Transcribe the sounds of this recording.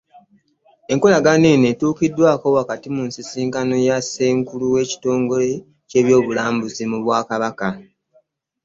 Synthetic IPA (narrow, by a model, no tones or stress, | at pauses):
e̞ŋkolaɡanene̞tuːkidːwaːko̞wakatimunsisiːŋkano̞jase̞ːŋkuluwe̞ːci̥to̞ːŋɡo̞le̞ | ce̞ːβjo̞ːβulaːmbuzimuβwaːkaβaka